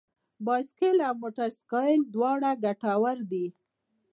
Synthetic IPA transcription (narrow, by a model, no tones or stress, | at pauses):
bɑjskelawmoʈaɾskɑjld̪wɑɽaɡaʈawaɾd̪i